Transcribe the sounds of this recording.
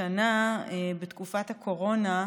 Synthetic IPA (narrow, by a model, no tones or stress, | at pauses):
anaebetkufathakʰo̞ʁo̞na